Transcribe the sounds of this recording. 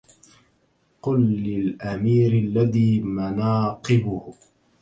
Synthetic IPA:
qʊlːɪlʔamiːɾɪlːaðiːmanɑːqɨbʊh

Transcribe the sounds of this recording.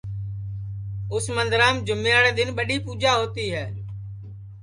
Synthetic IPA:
ʊsmənd̪ɾaːmd͡ʒʊmːeːaːɽeːd̪ɪnɓəɗiːpuːd͡ʒaːɦoːt̪iːɦɛː

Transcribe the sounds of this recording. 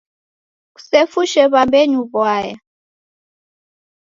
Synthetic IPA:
ku̥sefuʃɛβambeɲuβwaːja

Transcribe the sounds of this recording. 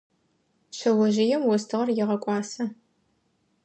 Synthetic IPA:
ɕɐwɐʒɪjɛmwɔstʰɨʁɐrjɪʁɐkʷʼɑːsɐ

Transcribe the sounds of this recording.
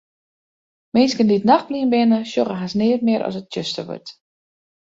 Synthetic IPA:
mɪnskənditnaxpliənbɪnəʃjoχəɦasnɪərtmɪəɾʔɔ̰sət̚t͡ʃøstəʋø̰rt

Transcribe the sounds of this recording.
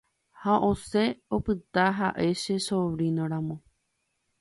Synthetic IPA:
haʔose̞opɨt̪aɦaʔe̞ʃe̞soβɾinõɾãmõ

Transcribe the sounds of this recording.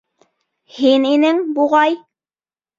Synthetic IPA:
hininɘŋbuʁɑj

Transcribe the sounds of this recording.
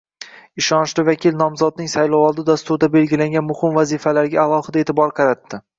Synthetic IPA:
ɪʃɒnɪʃlɪvakʲilnɒmzɒd̪̚nɪŋsajlɒwɒlˠd̪ɪd̪ast̪ʊɾd̪abe̞lɡʲɪlaŋɡʲanmʊhɪmvazifalaɾɡʲaːlˠɒhɪd̪aet̪ʰɪbɒɾqʰɑɾat̪ːɪ

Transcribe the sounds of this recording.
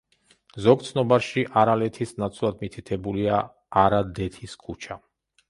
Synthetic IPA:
zɔɡ̚t̪sʰnɔbaɾʃiʔaɾalɛt̪ʰisnat̪sʰlˠad̪mit̪ʰit̪ʰɛbulia | aɾad̪ɛt̪ʰiskʰut͡ʃʰa

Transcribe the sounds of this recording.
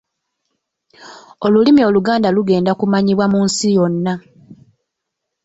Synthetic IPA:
o̞lulimio̞ːluɡaːndaluɡe̞ːndakumaɲiβwamuːnsijo̞nːa

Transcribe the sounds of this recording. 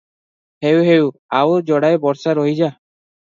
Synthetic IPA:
hewɦewawd͡ʒɔɽajbɔɾsaɾoɦid͡ʒa

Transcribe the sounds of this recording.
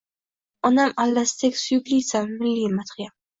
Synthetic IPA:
ɒnamalːast̪ʰekʲsʊjʊklijsamːɪlːimat̪ʰχjam

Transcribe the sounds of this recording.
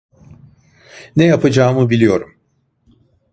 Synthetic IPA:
nejapʰad͡ʒaːmɯbilʲijo̞ɾum

